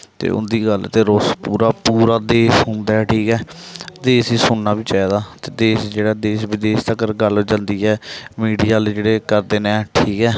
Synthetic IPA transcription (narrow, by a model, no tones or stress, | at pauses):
t̪ḛːʊ̰nd̪iːɡəlt̪eːɾospuːɾaːpuːɾaːd̪eːsɦʊ̃nd̪aːɛːʈʰiːkɛːd̪eːsiːsʊɳnaːbiːt͡ʃaaːd̪aːt̪eːd̪eːsd͡ʒeːɽaːd̪eːsʋɪd̪eːst̪aːkəɾɡəlɦoːd͡ʒãːnd̪iːɛːmiːɖiːjaːld͡ʒeːɽeːkəɾd̪eːnɛ̃ːʈʰiːkɛː